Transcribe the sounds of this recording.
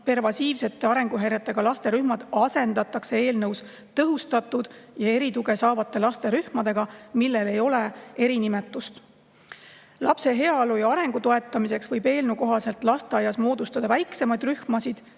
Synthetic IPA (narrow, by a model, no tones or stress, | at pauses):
pe̞rvɑsiːvse̞t̪ːe̞ɑɾe̞ŋɡ̥uɦeɾet̪ːˑe̞ɡ̥ɑlɑst̪e̞ɾyhmɑd̪̥ɑse̞nd̪̥ɑt̪ːˑɑkse̞e̞ːlnɤws | t̪ɤɦust̪ɑt̪ˑːud̪̥jɑe̞ɾit̪uɡe̞sɑːvɑt̪ːˑe̞lɑst̪e̞ɾyhmɑd̪e̞ɡ̥ɑmilːe̞le̞jo̞le̞e̞ɾinimet̪ːˑust̪ | lɑpse̞ɦe̞ɑlujɑɑɾe̞ŋɡ̥ut̪o̞e̞t̪ːˑɑmise̞ksvɤjbe̞ːlnuko̞ɦɑse̞lt̪ˑlɑst̪e̞ɑjɑsmo̞ːd̪ust̪ɑd̪ɑvæjkse̞mɑjd̪ryhmɑsid̪̥